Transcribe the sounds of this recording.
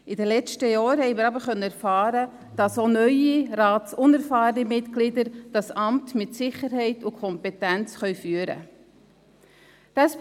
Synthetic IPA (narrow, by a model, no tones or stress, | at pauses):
idɛlɛt͡ʃtəjɔːɾhɛɪmɪːɾɑbəɾχœnːəɛɾfɑːɾə | d̥ɑsonœʏiɾɑːtsʊnɛɾfɑːɾnimɪtklɪdəɾd̥ɑsɑmtmɪtsɪχəɾhɛɪtʊkʰɔmpɛtænt͡sχœʏfyːəɾə̰ | d̥ɑs